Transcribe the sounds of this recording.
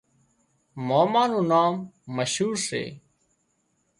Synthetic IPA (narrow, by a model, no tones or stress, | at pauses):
moːmaːnũːnaːmːəʃɦuːɾsḛː